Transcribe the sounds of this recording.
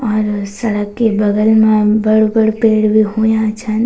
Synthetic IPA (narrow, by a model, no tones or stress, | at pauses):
ɔːɾsɐɾəkːebɐɡəlmãbɐɽobəɽpeːɽbʱiɦojãt͡ʃʰan